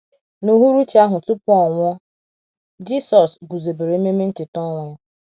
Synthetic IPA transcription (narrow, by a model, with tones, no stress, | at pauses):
no˨ɦu˦ɾu˦t͡ʃi˦a˦ɦʊ˨tʊ˦pɔ˨ŋʷɔ˦ | d͡ʒi˦sɔ˨sɡu˨ze˨be˨ɾe˨˦me˦me˦n̩˦tɪ˨tɔ˦ŋʷɔ˦